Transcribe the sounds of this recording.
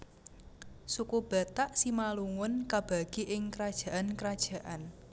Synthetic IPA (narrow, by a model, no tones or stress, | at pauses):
sukub̥ä̤t̪aʔsimaluŋʊnkab̥a̤ɡ̥iʔɪŋkəɾad̥ʒ̥a̤ʔankəɾad̥ʒ̥ä̤ʔan